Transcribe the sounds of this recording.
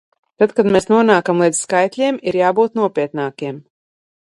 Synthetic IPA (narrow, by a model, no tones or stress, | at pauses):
t̪at̪kad̪mɛːsnuɔnaːkamlˠid̪zʲskajt̪ʲlʲiɛmiɾjaːbuːt̪nuɔpʲiɛt̪naːkʲiɛm